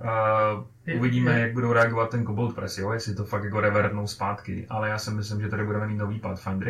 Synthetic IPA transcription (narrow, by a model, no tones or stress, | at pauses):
ʔuvɪɟiːmɛjaɡ̚budowɾɛaɡovat̪̚ːɛnkobolt̪̚pɾɛsjoːjɛslɪt̪ofak̪jakoɾɛvɛɾd̪nowspaːt̪kɪ̰ʔalɛjaːsɪmɪs̬lɪmʒɛt̪adɪbudɛmɛniːnoviːpat̪fajnd̪ɾɛ